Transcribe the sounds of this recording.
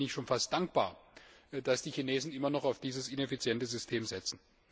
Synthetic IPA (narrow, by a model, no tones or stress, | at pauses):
nɪçtʃoːnfast̚d̥aŋk̚b̥a̰ːɐd̥asd̥iːçineːzn̩ɪmɐnɔχaʊfd̥iːzəsɪnɛfit͡sjɛntəzʏstʰeːmzɛt͡sn̩